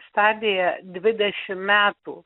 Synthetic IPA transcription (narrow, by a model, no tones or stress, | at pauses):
st̪ɑːd̪ʲɪjɛd̪ʲʋʲɪd̪ʲɛʃʲɪmmʲæːt̪ṵː